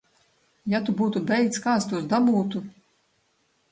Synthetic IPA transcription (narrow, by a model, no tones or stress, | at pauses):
jat̪ubuːt̪ubʲɛjkt̪skaːt̪st̪uɔsd̪abuːt̪u